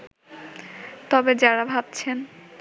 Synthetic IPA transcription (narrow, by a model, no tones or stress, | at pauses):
t̪ɔbed͡ʑaɾabʱab̚t͡ɕʰen